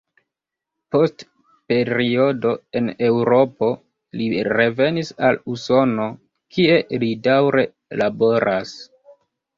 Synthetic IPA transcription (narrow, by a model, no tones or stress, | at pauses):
po̞st | pe̞ɾio̞do̞e̞ne̞wɾo̞po̞ | liɾe̞ve̞nisaluso̞no̞ | kʰie̞lidawɾe̞ | labo̞ɾas